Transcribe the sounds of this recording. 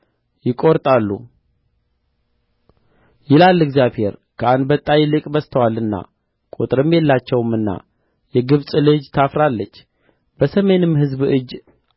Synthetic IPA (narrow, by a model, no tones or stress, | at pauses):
jɪkʼoɾt̪ʼalːṵ | jɪlalːɛɡzjaβhe̞ɾkʰəand̪bət̪ʼːajlɨkʼbəst̪ʰəwalːɨnːa̰ | kʼut̪ʼɨɾɨmːjelːat͡ʃːɛwɨmːɨnːa̰ | jɛɡɨβsʼlɨd͡ʒt̪ʰafɾalːət͡ʃː | bəsəme̞nɨmːhɨzbɨd͡ʒ